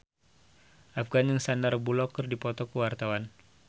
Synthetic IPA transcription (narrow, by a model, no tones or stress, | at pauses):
ʔafɡanjəŋsandarbulɔkərdipɔt̪ɔkəwart̪awan